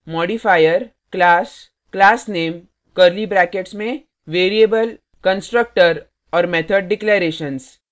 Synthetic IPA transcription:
mɔːɖifaːjəɾ | klaːs | klaːsneːm | kəɾlibɾɛ̃ːkeʈsmẽ | ʋeːɾieːbəl | kə̃nsʈɾək̚ʈəɾ | ɔːɾmɛːt̪ʰəɖɖɪkleɾeːʃəns

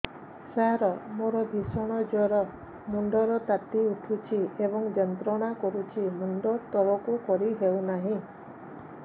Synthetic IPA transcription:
saɾɔmoɾɔbʱisɔɽ̃ɔd͡ʒɔɾɔ | muɳɖɔɾɔt̪at̪iuʈʰut͡ʃʰiebɔŋd͡ʒɔnt̪ɾɔɽ̃akɔɾut͡ʃʰimuɳɖɔt̪ɔɭɔkukɔɾiɦewnaɦĩ

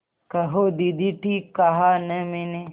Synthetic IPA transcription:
kɐɦod̪id̪ʱiʈiːkːɐɦanɐmene

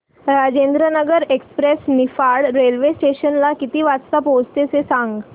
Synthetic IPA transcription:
ɾad͡ʑend̪ɾənəɡəɾekspɾesnifaɾɽɾelʋesʈeɕənlakit̪iːʋadst̪apost̪esesãŋɡ

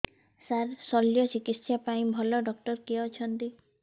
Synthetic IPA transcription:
saɾsɔljɔt͡ʃikit̪sjapaĩbʱɔlɔɖɔkʈɔɾkiɔt͡ʃʰɔnt̪i

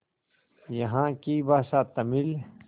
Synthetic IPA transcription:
jɐɦãːkiːbaːsaːt̪ɐmil

